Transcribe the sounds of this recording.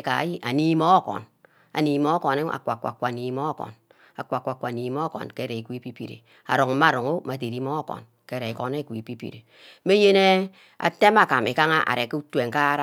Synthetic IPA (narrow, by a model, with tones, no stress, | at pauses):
ka̰˨˦ji˦ʔa˨ni˦mo˦kɔ̰˨n | a̰˨ni˨mo˦ko˨ne˦a̰˨kʷa˨kʷa̰˨kʷa˨ni˨mo˦kɔ̰˨n | a˨kʷa˨kʷa˨kʷa˨ni˨m˦o˦kɔ̰˨nke˦ɾe˨kʷi˦pi˦pḭ˨ɾḛ˨ | a̰˨ɾo˨ŋ̩˨ma˦˨ɾu˨ŋo˦ma˨t̬e˨ɾi˦mo˦kɔ̰˨n | ke˦ɾe˨ko˨ne˦˨kʷi˨pi˦pḭ˨ɾe˨ | me˦je˦ne˦ | a̰˨te˦ma˨ka˨me˨ka˦ŋa˦ʔa̰˨ɾe˨ke˦u˦tu˦e˨ŋ˨ka˦ɾa˦